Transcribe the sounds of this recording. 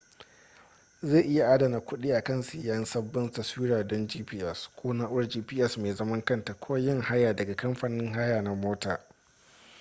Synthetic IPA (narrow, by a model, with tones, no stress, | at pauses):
zeː˦˨ʔɪ˦ja˨ʔaː˦dɐ˨na˨kʷʊ˦ɗiː˦ʔa˨kɐ˦˨nsɪ˨jaː˦ɪ˦nsɐ˦bːɪ˦ntɐ˨swiː˦ɾaː˨dɔ˦nd͡ʒiː˦piː˦ʔɛ˦˨skʷʰoː˦naː˦ʔʷʊ˦d͡ʒiː˦piː˦ʔɛ˦˨smeː˨zɐ˦mɐ˦ŋkɐ˦nta˨kʷʰo˦jɪ˦˨ŋha˦jaː˨dɐ˨ɡa˨kɐ˦mɸaː˨nɪ˦ŋɦa˦jaː˨na˨moː˦taː˨